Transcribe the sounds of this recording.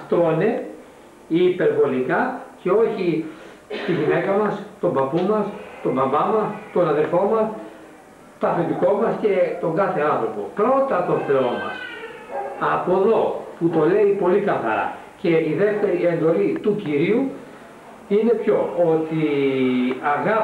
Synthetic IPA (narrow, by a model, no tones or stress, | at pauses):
ɐft̪one | ipe̞ɾvo̞likɐce̞o̞çi | st̪iʝine̞kɐmɐst̪o̞mbɐpumɐst̪o̞bɐbɐmɐst̪o̞nɐðelfo̞mɐs | t̪ɐfend̪iko̞mɐsce̞t̪o̞ŋɡɐθe̞ɐnθɾo̞po̞̰pɾo̞t̪ɐt̪o̞θe̞o̞mɐ̰s | ɐpo̞ðo̞put̪o̞le̞ipo̞likɐθɐ̰ɾɐ̰ | ce̞iðe̞ft̪e̞ɾie̞nd̪o̞lit̪uciɾiu | ine̞pço̞ot̪i | ɐɣɐ